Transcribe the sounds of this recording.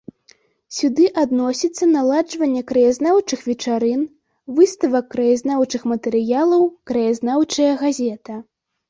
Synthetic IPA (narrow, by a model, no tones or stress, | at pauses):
sʲud̪ɨʔad̪nɔsʲit̪sːɐnalˠad͡ʐvɐnʲːɛkɾɐjazʲnawt͡ʂɨxvʲɛt͡ʂaɾɨn | vɨst̪ɐvɐkːɾɐjaznawt͡ʂɨxmɐt̪ɛɾɨjalˠɐwkɾɐjazʲnawt͡ʂɐjɐɣazʲɛt̪ɐ